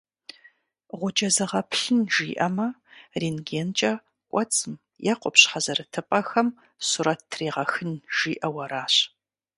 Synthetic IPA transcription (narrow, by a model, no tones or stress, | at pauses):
ʁʷʊd͡ʒɐzɐʁɐpʰɬɨnʒiːʔɐmɐriːnɡeːnt͡ʃʼɐ | kʷʼɔt͡sʼɨm | jɛqʷʼɔpɕħɐzɐrɨtʰɨpʼɐxɐm | suɾɐttʰreːʁɐxɨnʒ̥iːʔɐwɐɾaːɕ